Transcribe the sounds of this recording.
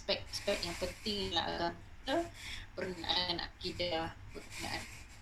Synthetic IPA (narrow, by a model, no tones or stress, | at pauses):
spɛk̚spɛk̚jaŋpənt̪ɪŋla̰ɦa̰ɡamit̪əpərənaʔaana̰kidabəna̰ʔa̰n